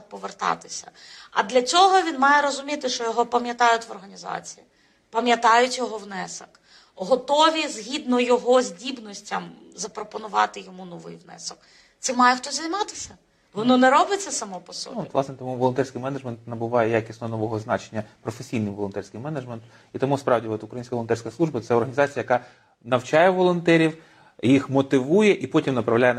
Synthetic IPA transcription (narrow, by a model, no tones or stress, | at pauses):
pɔʋert̪ɑ̰t̪ɪ̥sʲɐɐ̰d̪lʲɐt͡sʲɔɦɔʋʲinmɑjɛɾɔzʊmʲit̪ɪʃt͡ʃɔjɔɦɔpɐmjɐt̪ɑjʊtʲʋɔrɦɐnʲizɑ̰t͡sʲi̥ji | pɐmjɐt̪ɑjʊtʲjɔɦɔwnɛsɐk | ɦɔt̪ɔʋʲizɦʲid̪nɔjɔɦɔzʲdʲibnɔsʲtʲɐm | zɐpɾɔpɔnʊʋɑ̰t̪ɪjɔmunɔʋɪ̰jʋnɛ̰sɔk | t̪sɛmːɑjɛxt̪ɔzʲɐjmɑt̪ɪsʲɐ | ʋɔnɔnɛɾɔbɪt͡sʲːɐsɐmɔpɔsɔ̰b̪ɔiʋlˠɑsnɛt̪ɔmuʋɔlˠɔnt̪ɛrsʲkɪjmɛnɐʒment̪nɐbʊʋɑjɛjakʲisʲnɔnɔʋɔɦɔznɑt͡ʃenʲːɐpɾɔfesʲijnɪmʋɔlˠɔnt̪ɛrʲsʲkɪjmɛnɐʒment̪ | it̪ɔmuspɾɑwdʲiɔt̪ʊkɾɐjinʲsʲkɐʋɔlˠɔnt̪ɛrsʲkɐslˠuʒbɐt̪sɛɔrɦɐnʲzɑt͡sʲijɐjɐkɑ | nɐwt͡ʃɑjɛʋɔlˠɔnt̪ɛɾʲiw | jixmɔt̪ɪʋujɛʔipɔtʲimnɐpɾɐʋlʲajɛ